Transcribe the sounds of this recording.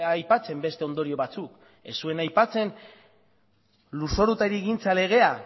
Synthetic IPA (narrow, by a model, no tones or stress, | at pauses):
jpat͡se̞mbe̞st̪e̞o̞nd̪o̞ɾio̞βat͡suk | e̞sue̞najpat͡se̞n | luso̞ɾut̪aɾieɣint͡sale̞ɣ̞e̞a